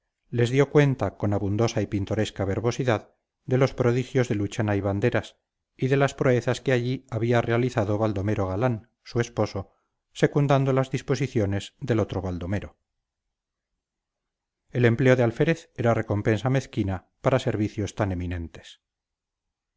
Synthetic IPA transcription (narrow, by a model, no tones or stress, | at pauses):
le̞zðjo̞kwe̞nt̪ako̞naβund̪o̞saipint̪o̞ɾe̞skaβe̞ɾβo̞siðað | d̪e̞lo̞spɾo̞ðixjo̞zðe̞lut͡ʃanaiβand̪e̞ɾas | iðe̞laspɾoeθaskeaʎiaβiare̞aliθaðo̞βald̪o̞me̞ɾo̞ɣ̞alan | sue̞spo̞so̞ | se̞kund̪and̪o̞lazðisposiθjo̞ne̞zðe̞lo̞t̪ɾo̞βald̪o̞me̞ɾo̞ | e̞le̞mple̞oðealfeɾeθe̞ɾare̞ko̞mpe̞nsame̞θkina | paɾase̞ɾβiθjo̞st̪ane̞minẽ̞nt̪e̞̥s